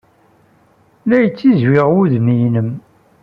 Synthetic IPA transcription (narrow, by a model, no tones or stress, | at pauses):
læjət͡sːizwɪʁwuðmijnəm